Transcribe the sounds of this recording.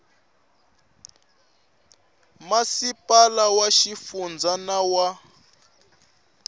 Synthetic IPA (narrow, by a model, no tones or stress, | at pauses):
masipalawaʃifund͡zanawa